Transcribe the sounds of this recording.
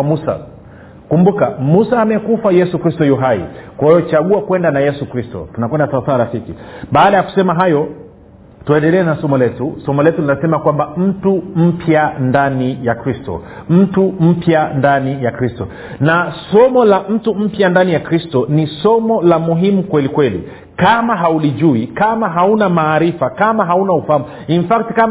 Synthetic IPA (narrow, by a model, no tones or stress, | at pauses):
musa̰ | kumbukamusaːmɛkufajɛsukɾistɔjuɦaḭkwahijɔt͡ʃaɠuakwɛndanajɛsukɾistɔ̰tunakwɛndasaasaːɾafikḭɓaːɗajaku̥sɛmaɦajɔ | tuɛndɛlɛːnasɔmɔlɛtusɔmɔlɛtulinasɛmakwambam̩tum̩pʰjandanijakɾistɔ̰ | m̩tum̩pjandanijakɾistɔ | nasɔmɔlam̩tum̩pjandanijakɾistɔnisɔmɔlamuɦimukwɛlikwɛlḭ | kamaɦauliʄuikamaɦaunamaːɾifakamaɦaunaufahamu | infaktika